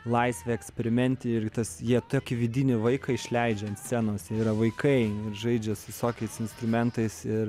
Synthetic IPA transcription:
lˠɐɪsʲʋʲeɛksʲpʲɛɾʲɪmʲɛnʲt̪ʲɪɪɾt̪ɐsjiɛt̪oːkʲɪʋʲɪd̪ʲiːnʲɪʋɐɪkɐɪʃʲlʲɛɪd͡ʒʲɛɐnt̪sʲt͡s̪ʲɛnoːsjiɛiːɾɐʋɐɪkʰɐɪɪɾʒɐɪd͡ʒʲɛsʋʲɪsoːkʲɛɪsɪnst̪ɾʊmʲɛnt̪ɐɪsɪr

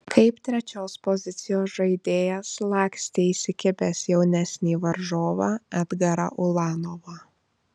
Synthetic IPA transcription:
kʰɐɪpt̪ʲɾʲɛt͡ʃʲoːspɔzʲɪt̪sʲɪjoːsʒɐɪd̪ʲeːjɛslˠɑːksʲt̪ʲeisʲɪkʲɪbʲɛːsjɛʊnʲɛsʲnʲiːʋɐɾʒoːʋɑɐd̪ɡɐɾɐ̰ʔʊlˠɑːnoʋɑ

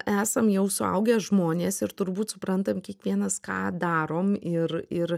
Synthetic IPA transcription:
ʔæːsɐmjɛʊsʊɐ̰ʊɡʲɛːʒmoːnʲeːsɪɾt̪ʊɾbuːt̪sʊpɾɐnt̪ɐmkʲiɛkʋʲiɛnɐskɑ̰ːd̪ɑːɾoːmɪrɪr

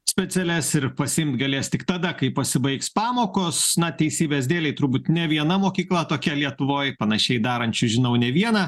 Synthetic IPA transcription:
sʲpʲɛsʲɛlʲɛsɪɾpɐsʲɪɪmt̪ɡɐlʲeːst̪ʲɪkt̪ɐd̪ɐkɐɪpɐsʲɪbɐɪkspɑːmoːkosnɐt̪ʲɛɪsʲiːbʲezʲd̪ʲeːlʲɛɪt̪ʊɾbuːt̪nʲɛʋʲiɛnɐmoːkʲiːklˠɐt̪oːkʲɛlʲiɛt̪ʊʋoːjpɐnɐʃʲɛɪd̪ɑːɾɐnʲt͡ʃʲʊʒʲɪnɐʊnʲɛʋʲiɛnɐ

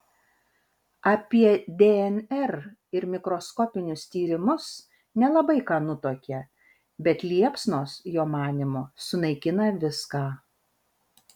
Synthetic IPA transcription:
ɑːpʲiɛd̪ʲeɛnʲɛɾ | ɪɾmʲɪkɾoːskɔːpʲɪnʲʊst̪ʲiːɾʲɪmʊs | nʲɛlˠɐbɐɪkɑːnʊt̪oːkʲɛ | bʲɛt̪lʲiɛpsnoːsjoːmɑːnʲɪmosʊnɐɪkʲɪnɐʋʲɪskɑː

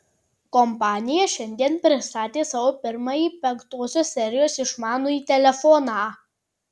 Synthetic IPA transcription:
kɔmpɑːnʲɪjɛʃʲɛnʲd̪ʲiɛnpʲɾʲɪst̪ɑːt̪ʲeːsɑʋoːpʲɪɾmɑjiːˑpʲɛŋkt̪oːsʲoːsʲsʲɛɾʲɪjoːsɪʃmɑːnoːiːt̪ʲɛlʲɛfɔnɑː

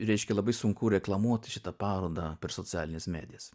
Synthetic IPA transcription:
ɾʲɛɪʃʲkʲɛlˠɐbɐɪsʊŋkʊːɾʲɛklˠɐmuɔt̪ʲɪʃʲɪt̪ɐpɑːɾoːd̪ɑpʲɛɾsotsʲɪæːlʲɪnʲɛsmʲæ̰ːd̪ʲɪjɛss

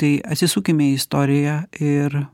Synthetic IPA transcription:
t̪ɐɪɐ̰t̪ʲsʲɪsuːkʲimʲeɪst̪oːɾʲɪjæɪɾ

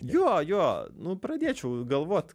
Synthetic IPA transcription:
joːjoːnʊpɾɐd̪ʲeːt͡ʃʲɛʊɡɐlˠʋoːt̪ʲ

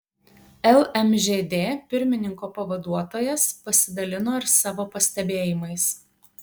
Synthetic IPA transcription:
ɛlˠɛmʲʒʲeːd̪ʲeːpʲɪɾʲmʲɪnʲɪŋkoːpɐʋɐd̪uɔt̪oːjɛspɐsʲɪd̪ɐlʲɪnoːɪɾsɑːʋoːpɐsʲt̪ʲɛbʲeːjɪmɐɪs

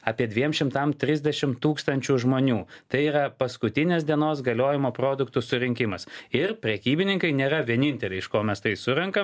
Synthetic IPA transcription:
ɑːpʲiɛd̪ʲʋʲiɛmʃʲɪmt̪ɐmt̪ʲɾʲɪzʲd̪ʲɛʃʲɪmt̪uːkst̪ɐnʲt͡ʃʲuːʒmoːnʲuːt̪ɐɪiːɾɐpɐskʊt̪ʲɪnʲeːsd̪ʲiɛnoːs̬ɡɐlʲoːjɪmoːpɾoːd̪ʊkt̪ʊsʊɾʲɪŋʲkʲɪmɐsɪɾpʲɾʲɛkʲiːbʲɪnʲɪŋkɐɪnʲeːɾɐʋʲiɛnʲɪnʲt̪ʲɛlʲɛɪɪʃkoːmʲɛst̪ɐɪsʊɾɛŋkɐm

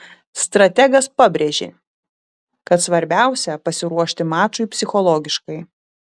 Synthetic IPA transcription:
st̪ɾɐt̪ʲɛɡɐspɑbʲɾʲeʒʲḛ | kɐt̪sʋɐɾʲbʲæˑʊsʲɛpɐsʲɪɾuɔʃʲt̪ʲɪmɑːt͡ʃʊɪpʲsʲɪxɔlˠɔɡʲɪʃkɐɪ

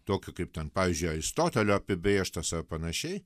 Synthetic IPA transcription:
t̪oːkʲʊkɐɪp̚tʲɛnpɑːʋʲiːzʲd͡ʒʲʊɪɐɪst̪oːt̪ʲɛlʲoːɐpʲɪbʲɾʲiɛʃt̪ɐsɐrpɐnɐʃʲɛɪ

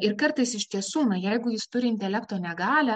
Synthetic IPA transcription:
ɪɾkɐɾt̪ɐɪsɪʃʲt̪ʲiɛsuːnɐjɛɪɡʊjɪst̪ʊɾʲɪɪnʲt̪ʲɛlʲɛkt̪oːnʲɛɡɑːlʲæ

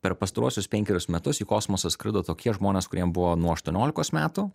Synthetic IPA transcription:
pʲɛɾpɐst̪ɐɾuɔsʲʊspʲɛŋʲkʲɛɾʲʊsmʲɛt̪ʊsiːkoːsmosɐskɾʲɪd̪oːt̪oːkʲiɛʒmoːnʲeːskʊɾʲiɛmbʊʋoːnuɔɐʃt̪uɔnʲoːlʲɪkoːsmʲæːt̪ʊ

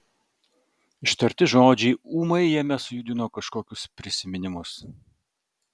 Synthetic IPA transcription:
ɪʃt̪ɐɾʲt̪ʲɪʒoːd͡ʒʲɛɪuːmɐɪjɛmʲɛsʊjʊd̪ʲɪnoːkɐʃkoːkʲʊspʲɾʲɪsʲɪmʲɪnʲɪmʊs

